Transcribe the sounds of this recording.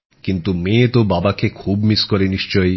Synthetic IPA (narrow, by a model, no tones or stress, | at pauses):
kint̪umet̪obabakekʰubmiskoɾeniʃt͡ɕɔj